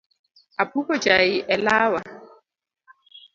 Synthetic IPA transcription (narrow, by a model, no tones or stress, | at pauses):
apʰupʼɔt͡ʃʼaiʔɛlaːwa